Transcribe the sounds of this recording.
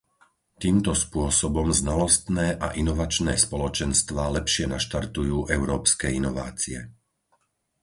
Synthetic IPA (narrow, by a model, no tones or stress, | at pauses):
t̪iːmt̪ɔspʊɔsɔbɔmznalɔst̪nɛːʔaʔinɔʋat͡ʃnɛːspɔlɔt͡ʃɛnst̪ʋaːlɛpʃɪɛnaʃt̪aɾt̪ujuːʔɛʊɾɔːpskɛːinɔʋa̰ːt͡siɛ̰